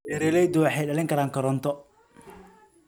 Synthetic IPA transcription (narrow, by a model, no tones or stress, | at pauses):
ɛɾɛːlɛjd̪ʊwɑħɑjɖɐlɪŋkʰɐɾaːŋkʰɐɾɔnt̪ʰɔ